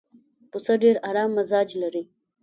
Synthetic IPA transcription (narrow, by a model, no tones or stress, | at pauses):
pʊsaɖeɾaɾɑːmːɐzɑːd͡ʒlaɾi